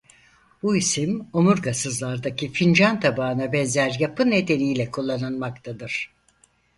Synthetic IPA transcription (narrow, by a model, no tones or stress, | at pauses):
b̥uisimo̞muɾɡasɯzlˠaɾd̪acʰifind͡ʒant̪ʰabaːɯnabɛnzæɾjapɯne̞d̪e̞nijlʲɛkʰulˠːanɯnmakt̪ʰad̪ɯɾ̥